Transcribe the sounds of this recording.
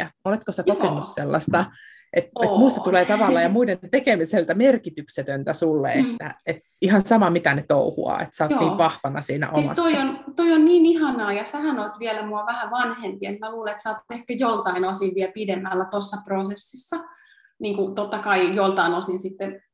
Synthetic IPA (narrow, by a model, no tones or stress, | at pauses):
ɑolet̪kosækokenːusselːɑst̪ɑ | ʔet̪emuːst̪ɑt̪uleːt̪ɑʋɑlːɑjɑmuident̪ekemiselt̪æmerkit̪ykset̪ønt̪æsulːḛet̪ːæ̰et̪ | ihɑnsɑmɑmit̪ænet̪o̰uhṵɑ̰ːḛt̪sɑːtːniːʋʋɑhʋɑnɑ̰siːnæ̰ʔomɑ̰st̪ːoiont̪oionniːnihɑnɑːjɑsæhænolt̪ʋiɛlæmuɑʋæhæʋɑnhempiet̪mæluːleet̪sɑːt̪t̪ehkæjolt̪ɑinosiʋʋiɛlpidemːælːæt̪osːɑprosesːisːɑ | niːŋkut̪ot̪ːɑkɑijolt̪ɑinosinsit̪ːen